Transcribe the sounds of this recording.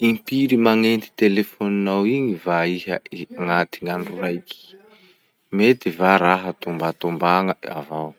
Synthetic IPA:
impiɾimaŋent̪i̥t̪elefoninawiɲivaiɦəiŋat̪iŋaɳɖ͡ʐurajki̥ | met̪ivaɾaɦət̪umbat̪umbaŋəa̰vaw

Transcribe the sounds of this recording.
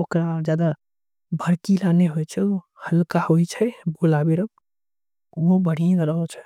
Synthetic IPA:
okɾad͡ʒjad̪a | bʱəɾkilaneɦojt͡ʃʰɛo | həlkahojt͡ʃʰɛbolabeɾək̚ː | obəɽ̤ijãd̪əɾəɦɔt͡ʃʰɛ̥

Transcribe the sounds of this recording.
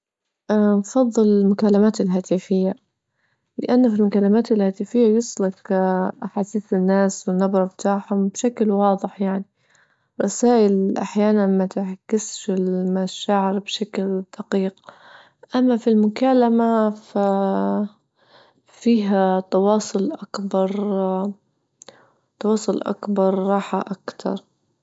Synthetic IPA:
ʔnfɑðˤːɨlɪlmʊkalːamaːt̪ɪlɦaːt̪ɪfɪjːa | lɪʔanːafilmʊkalːamaːt̪ɪlhaːt̪ɪfɪjːajʊsˤlɪqʔaħaːsiːθɪnːaːswɪnːabɾˤɑft̪aːħhʊmbʃaklwɑːðˤɨħjaʕni | ɾˤɑsaːʔɪlʔaħjaːnanmat̪ɪʕkːɪsʃɪlmaʃaːʕɪɾbʃakld̪̥ɑqiːq | ʔamːafilmʊkaːlamafa | fiːɦat̪ɑwɑːsˤʊlʔakbɑɾˤ | t̪ɑwɑːsˤʊlʔa̰kbɑɾˤːɑːħaʔakt̪ʰɑ̰ɾˤ

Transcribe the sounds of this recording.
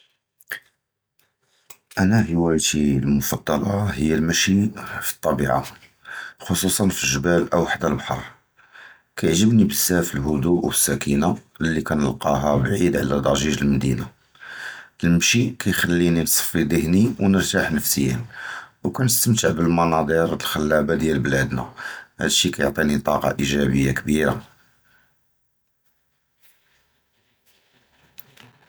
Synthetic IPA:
ʔænæħəwæjt̪ilmʊfɑd̪ˤːɑlɑhəjːælmæʃifi̥t̪ˤːɑbiʕa̰ | xosusˤɑnfiʒəbælʔəwaħd̪ælbħɑ̰ɾˤ | kæjəʕʒəbnibəsːæfəlɦʊd̪uʔwəsːækʰina | lːikænəlqɑɦæbʕid̪ʕlæd̪ˤɑʒiʒəlmæd̪ina | əlmʃikʰæjxælːininsˤfid̪əhniwnəɾt̪aħnəfsəjːə̰nwkænəst̪əmt̪əʕbəlmɑnɑd̪ˤəɾlxəlːæbad̪jælblæd̪na̰hæ̰d̪ʃikæjoʕt̪ˤinit̪ˤɑqɑ̰ʔiʒæbəjːakbiɾa

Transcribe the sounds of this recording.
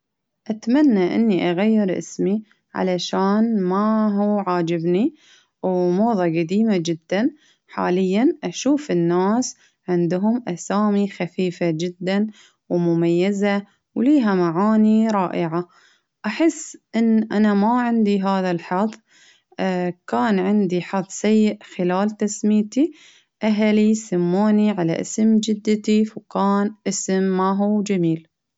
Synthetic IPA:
ʔat̪manːaʔɪ̰nːiʔaɣajːɪɾʔɪ̰smi | ʕa̰laʃaːnmaɦuːʕaːd͡ʒɪbni | wmoːðˤɑɡad̪iːmad͡ʒɪd̪ːan | ħa̰ːlɪjːanʔaʃuːfɪnːaːs | ʕɪnd̪ɦʊmʔasaːmixafiːfad͡ʒɪd̪ːan | wmʊmajːaza | wliːɦamaʕaːniɾˤɑːʔɪʕa | ʔaħɪsːʔɪnːʔanamaʕɪnd̪iɦaːðalħɑðˤ | kaːnʕɪnd̪iħɑðˤsajːɪʔxɪlaːlt̪asmiːt̪i | ʔaɦlisamːoːniʕala̰ʔɪ̰smd͡ʒɪd̪ːɪt̪ifkaːnʔɪsɪmːaɦuːd͡ʒamiːl

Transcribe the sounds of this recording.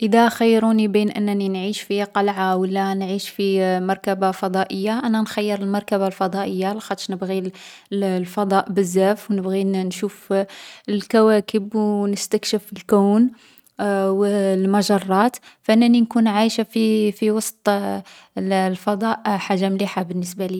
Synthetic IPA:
ʔəd̪æxəjːɾunibinʔə̰nːninʕiʃfiqɑlʕawəlːanʕiʃfimɑɾˤkæbafɑd̪ˤɑʔəjːaʔænænxæjːəɾəlmɑɾˤkæbalfɑd̪ˤɑʔəjːalxɑt̪ˤʃnəbɣi | lfɑd̪ˤɑʔbəzːæfwnəbɣinʃuf | lkæwækəbwnəst̪ækʃəfəlkuwn | wlmɑʒɑrˤːɑt̪fʔənːæninkunʕajʃafifiwɑsˤt̪ˤ | lfɑd̪ˤɑʔħaʒːamliħabənːəsbali

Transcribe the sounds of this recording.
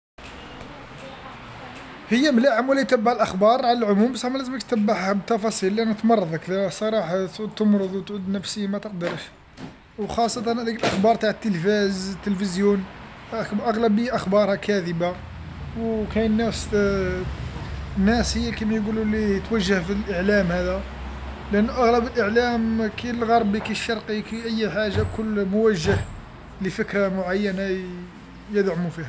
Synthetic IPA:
həjːæmlaʕəmwlːit̪æbːaʕlʔəxbɑɾˤʕaləlʕʊmumsˤɑmælæzəmək̚t̪əbːaʕhæbət̪ːɑfɑsˤilːiʔænæt̪mɑrˤːɑd̪ˤəklæsˤɑɾˤɑħɑt̪ʕud̪t̪əmɾˤəd̪ˤwt̪ʕud̪næfsəːmæt̪əqd̪əɾəʃ | wxɑsˤːɑt̪ɑnd̪ikəlʔəxbɑɾˤt̪aʕət̪ːəlfæzt̪ːəlfəzjun | ʔəɣlæbiʔəxbɑɾˤhɑkʰæd̪əba | wkænːæfs | nːæshəjːækæmæjɡululiət̪wæʒːəhfilʔəʕlæmhæd̪æ | lʔənːʔɑɣləbəlʔəʕlæmkilɣɑɾˤbikiʃːɑɾˤqikiʔæjːħaʒakʊlːmʊwæʒːəh | ləfəkɾamʊʕajːəna | jəd̪ʕʊmufihæ

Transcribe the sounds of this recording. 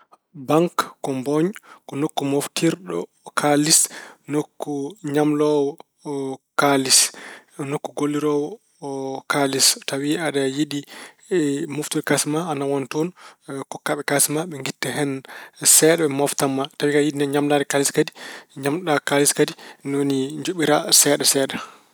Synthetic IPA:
baŋkːɔmbɔɲkɔnokːumoftiɾɗɔ̰ | kʰalisnokːuɲamlɔwɔ | kalis | nokːuɡolːiɾɔwɔ | kalistawiaɗajidi | moftiɾkasmaanawɔntɔnkɔkːaɓɛkasmaɓɛŋɡitːɛhɛnsɛɗɛɓɛmɔftamːatawikajidinɲamlaːɾɛkaliskadiɲamɗakaliskadinoniɲd͡ʒoɓiɾasɛɗasɛːɗa

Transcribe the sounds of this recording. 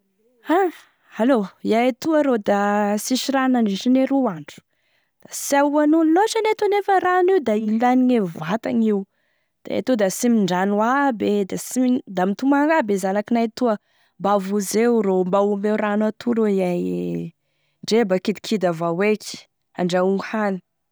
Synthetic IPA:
a | aloiajat̪uəɾod̪asiʃiɾanaɳiʃineɾuaɳɖ͡ʐu̥ | d̪̥asaanunloʃanet̪anefəraniwd̪ailaniɲevat̪aɲiw | d̪̥a̰ḛt̪ud̪asimiɳɖ͡ʐanwabed̪asimid̪amit̪umaŋabezanakinajt̪uə | mbavuzewɾombawumbeuranat̪ʰuloiaj | ɳɖ͡ʐebakid̪i̥kʰid̪avaweki̥ | aɳɖ͡ʐauŋɡuhani̥

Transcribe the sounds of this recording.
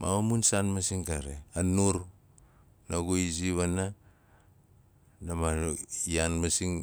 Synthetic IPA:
ma̰mamunsanmasiŋkaɾeanuɾ | naɡoiziβana | namaianmasiŋ

